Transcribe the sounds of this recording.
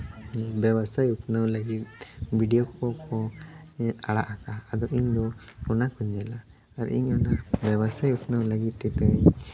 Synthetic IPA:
bjɛwasajut̪nəwlaɡit̪̚biɖijɔkɔkʰɔ | aɽaʔakaːd̪ɔʔiɲd̪ɔɔnakuɲd͡ʒɛla | aɾ̰ʔiɲɔnabjɛβasajut̪nəwlaɡit̪ːɛt̪əɲ

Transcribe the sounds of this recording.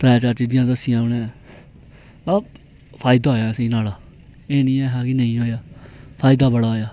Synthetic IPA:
t̪ɾɛːt͡ʃaːɾt͡ʃiːd͡ʒɪjãːd̪əsɪjãːʊnɛ̃ː | aː | pʰaːɪd̪aːɦoːjãːsĩːnaːlaː | eːnĩːɛːɦaːkɪnəĩːɦoːjaːpʰaːɪd̪aːbəɽaːoːjaː

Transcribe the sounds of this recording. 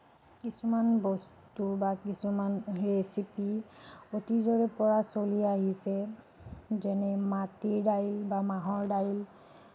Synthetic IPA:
kisumanbɔstubakisumanɹesipiotizɔɹɛpɔɹasoliaɦisɛ | zɛnɛmatiɹdajlbamaɦɔɹdajl

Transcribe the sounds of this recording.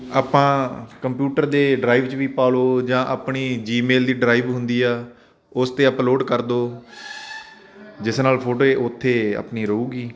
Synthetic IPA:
aːpãːkəmpjuːʈəɾd̪eːɖɾaːiʋt͡ʃʋiːpaːloːd͡ʒãːʔaːpɳiːd͡ʒiːmeːld̪iːɖɾaːiːʋɦʊnd̪iːaː | ʊst̪eːəploːɖkəɾd̪oː | d͡ʒɪsnaːlpʰoːʈoːeːʔʊt̪ʰːeːə̰pniːɾəuːɡiː

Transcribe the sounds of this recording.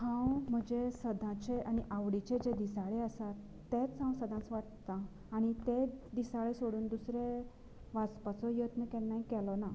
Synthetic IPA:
hãwm̤əd͡ʑesəd̪ʱãt͡ɕeaɽ̃iʔaʋɽit͡ɕed͡ʑed̪isaɭeəsat̪ːet͡sɦãw̃səd̪ʱãt͡sʋaʈt̪aː | ɽ̃it̪ed̪isaɭesoɽuːnd̪usɾe | ʋat͡spat͡sɔjət̪nəkɛnːaikɛlɔna

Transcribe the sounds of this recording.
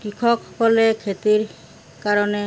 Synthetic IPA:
kikʰɔkkɔlekʰet̪iɾ | kaɾɔne

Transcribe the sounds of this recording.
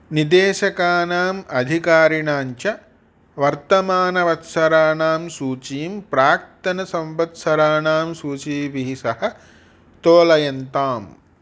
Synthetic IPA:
nid̪eːʃɐkaːnaːmɐd̪ʱikaːɾiɳaːɲt͡ʃɐ | ʋɐɾt̪ɐmaːnɐʋɐt̪sɐɾaːnaːmsuːt͡ʃiːmpɾaːk̚t̪ɐnɐsɐ̃mʋɐt̪sɐɾaːnaːmsuːt͡ʃiːpiɦisɐhɐ̆ | t̪oːlɐjɐnt̪aːm

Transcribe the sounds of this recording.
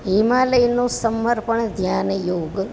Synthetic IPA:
ɦimaːləjnoːsəmːəɾpəɳd̪ʱjaːnjoːɡ

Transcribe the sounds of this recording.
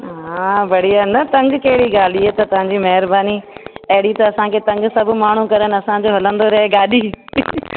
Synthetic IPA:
ɦãːbɐɽ̤ijaːnɐt̪ɐ̃ŋɡkɐɦɪɽiɡaːl̤iet̪ɐt̪ɐɦãːɲd͡ʑimɐɦɪɾbaːniɐɦɪɽit̪ɐːsãkʰet̪ɐ̃ŋɡsɐbʱmaːɳ̤ũkɐɾənɪɐsãd͡ʑoːɦɐlə̃nd̪oɾɐɦeɡaːɗiː

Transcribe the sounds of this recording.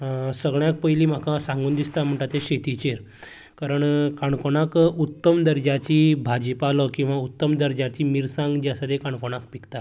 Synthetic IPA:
səɡɭjãk̚pəjliːm̤akʰasãŋɡuːnd̪ist̪am̤əɳʈ̪at̪eɕet̪it͡ɕeɾ | kaɾəɳkaɳkoɳakut̪ːəmd̪əɾd͡ʑat͡ɕiːbʱad͡ʑpalɔkĩw̃ʋaut̪ːəmd̪əɾd͡ʑat͡ɕiːmiɾsãŋɡd͡ʑjasad̪ekaɳkoɽ̃akpikt̪a

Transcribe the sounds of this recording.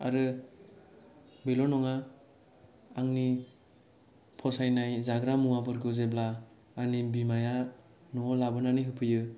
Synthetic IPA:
a̰ɾɯ | belɔnɔŋa | ŋni | pʰɔsajnajzaɡɾamuwabɯɾɡɯzeblaː | nibimaja | nɔlabɯnaniɦɯpʰɯjɯ

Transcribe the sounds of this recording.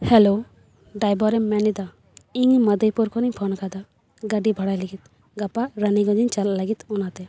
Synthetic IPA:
hɛlo | ɖajbɔɾɛmmɛnid̪a | iŋməd̪əjpɔɾkʰɔniɲpʰɔnkad̪a | ɡaɖibʱɔɽajliɡit̪ | ɡapaɾaniɡɔd͡ʒiɲt͡ʃalalaɡit̪ɔnat̪ɛ

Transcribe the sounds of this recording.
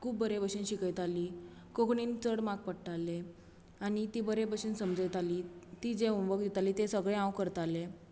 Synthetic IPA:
kuːbːəɾebəɕinɕikəjt̪aliː | kokɳiːnt͡səɽmaɡ̚pəɽʈ̪ale | aɽ̃it̪ibəɾebəɕinsəmd͡zəjt̪aliːt̪id͡zeuʋək̚d̪ɛt̪aliːt̪esəɡɭeãwkəɾt̪ale

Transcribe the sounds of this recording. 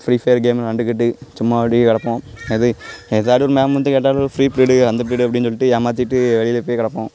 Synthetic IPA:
fɾiːfɐjɐɾɡeːmlnɐɳɖɯkːɪʈːɯt͡ʃʊmːaɐɽikɐɽɐpːõːɐðɯɛðaːɽɯɔɾɯmeːɐmʋɐnd̪ɯ̃keːʈ̬ːaːlofɾiːpɪɾɪɽɯɐnd̪ɐp̬ɪɾɪɽɯɐp̬ːɐɽɪnɯsɔlːɪʈːɯaːmaːt̪ːɪʈːɯʋɛɭɪjlɛpːoːjkɐɽɐpːõː

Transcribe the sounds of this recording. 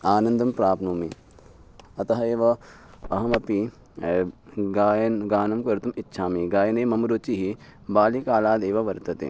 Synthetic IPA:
aːnɐ̃nd̪ʱɐmpɾaːpʰnoːmi | ɐt̪ɐɦɐeːʋɐ | ɐɦɐmɐpi | ɡaːjnɡaːnɐmkɐɾt̪umɪtːʃʰaːmiɡaːjɐneːmɐmɾoːt͡ʃiɦibaːlikaːlaːd̪eːʋɐʋɐɾt̪ɐt̪ḛː

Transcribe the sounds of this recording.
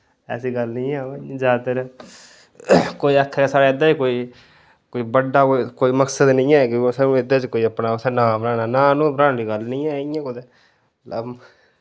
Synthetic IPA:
ɛ̰ːsiːɡəlnĩːaːd͡ʒaːd̪t̪eɾɛː | koːiːəkʰːsaːɾaːɪd̪aːt͡ʃkoːiː | koːiːbəɖːaːokoːiːməksəd̪nɪ̃ːɛːkisaːnũːɪd̪aːt͡ʃkoːiːəpnaːsɛːnãːbəɾãːnaːnaːnũːbɾãːnɾiːɡəlnĩːɛːiːɛ̃ːkod̪e | lə

